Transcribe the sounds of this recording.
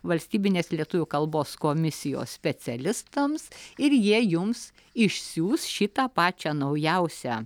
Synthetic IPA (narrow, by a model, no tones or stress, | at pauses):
ʋɐlʲsʲt̪ʲiːbʲɪnʲeːslʲiɛt̪ʊʋʲʊkɐlˠboːskoːmʲɪsʲɪjo̰ːssʲpʲɛt͡s̪ʲɛlʲɪst̪ɐmsɪɾjiɛjʊms | ɪʃʲsʲuːsʃʲɪt̪ɑpɑːt͡ʃʲæːnɐʊjɛʊsʲæː